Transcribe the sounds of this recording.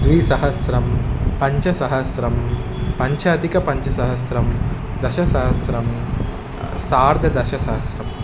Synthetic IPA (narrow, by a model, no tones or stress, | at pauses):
d̪ʋiːsɐɦɐsɾɐmpɐɲt͡ʃɐsɐɦɐsɾɐm | pɐɲt͡ʃʰɐːd̪ikɐpɐɲt͡ʃɐsɐɦɐsɾɐmd̪ɐʃɐsɐɦɐsɾɐm | saːɾd̪ʱɐd̪ɐʃɐsɐɦɐsɾɐm